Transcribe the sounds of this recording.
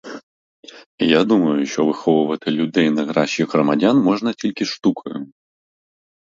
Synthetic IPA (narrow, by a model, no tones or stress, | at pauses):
ijad̪umɐjʊʃɔvɨxɔʋʊvɐt̪ɨlʲud̪ɛjnɐɣɾaɕʲiɣɾɐmadʲanmɔʐnɐtʲilʲkʲiʂt̪ukʰɐjʊ̰